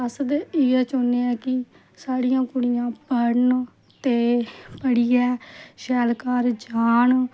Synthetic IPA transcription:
əsd̪ɪɛːt͡ʃoːneɛːkɪ | saːɽijãːkʊɽijãːbəɾn | t̪eːpəɽiːɛːʃɛːlkaːɾd͡ʒaːɳ

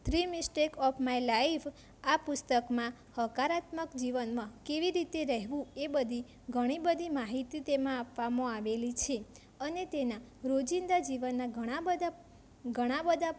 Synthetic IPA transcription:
t̪ʰɾimisʈekɔfʰmailaifʰ | apʊst̪əkmã | həkaɾat̪məkd͡ʒiʋənmãkeʋiɾit̪eɾəɦʋũebəd̪ʱi | ɡʱəɽ̃ibəd̪ʱimaɦit̪it̪emãapʋamõaʋelit͡ʃʰe | ənet̪enaɾod͡ʒind̪ad͡ʒiʋənːaɡəɽ̃aəd̪a | ɡʱəɽ̃abəd̪ʱa

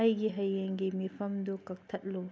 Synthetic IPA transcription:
ajɡiɦɐjːɐŋɡimipʰɐmd̪ukɐk̚t̪ʰɐt̚lu

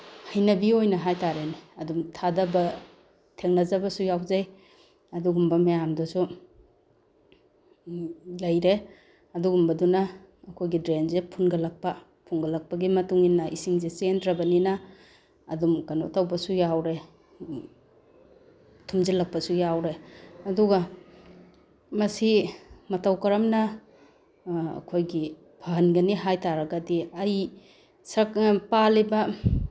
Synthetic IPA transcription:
hɐjnɐbiojnɐɦajtaɾeniɐdumtʰadabɐ | tʰeŋnɐzabɐsujawzaj | ɐduɡumbɐmejamdusu | lɐjɾe | ɐduɡumbɐdunaː | kʰojɡidɾenzepʰunɡɐlɐk̚pa | pʰuŋɡɐlɐk̚pɐɡimɐtuŋinːɐʔisiŋzesendɾɐbɐninaː | dumkɐno̰tɐwbɐsujawɾe | tʰumzilɐk̚pɐsujawɾeɐduɡɐ | mɐsimɐtɐwkɐɾɐmnɐ | kʰojɡi | pʰɐɦɐnɡɐniɦajtaɾɐɡɐdiɐj | sɐkpalibɐ

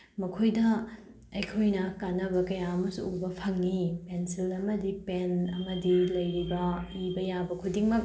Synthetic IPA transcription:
mɐkʰojdɐ | ɐjkʰojnɐkanɐbɐkɐjaɐmɐsuubɐpʰɐŋnipensilɐmɐdipenɐmɐdilɐjɾibɐibɐjabɐkʰudiŋmɐk̚

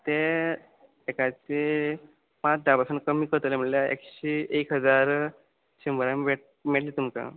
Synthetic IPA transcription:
t̪e | ekat͡se | pãt͡sd̪abasənkəmiːkəɾt̪əlem̤əʈljaḛkɕeʔekɦəd͡zaɾ | ɕimbəɾaʋeʈ | meɽliːt̪umt͡sa̰

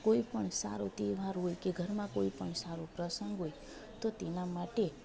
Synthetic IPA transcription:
koipəɳsa̰ɾut̪eʋaɾɦojkeɡʱəɾmãkoipəɳsaɾũpɾəsəŋɡɦoj | t̪ot̪enamaʈe

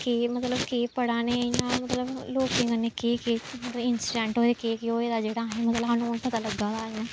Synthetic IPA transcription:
keːmət̪ləbkeːpəɽaːneːnãːmət̪ləbloːkẽŋɡənekeːkeːmət̪ləɪnsiɖɛ̃ːɳʈoːd̪eːkeːkeoːeːd̪aːd͡ʒeːɽaːɦɛːmət̪ləbɦaːnũːənpət̪aːləɡːãːd̪aːɪjãː

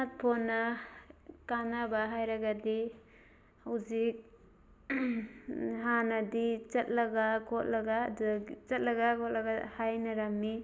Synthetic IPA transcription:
at̚pʰɔnːa | kanabaɦajɾaɡadi | uzik̚ | ɦanadit͡ʃɐt̚laɡakʰɔt̚laɡadt͡ʃɐt̚laɡakɔt̚laɡahajnɐɾamːi

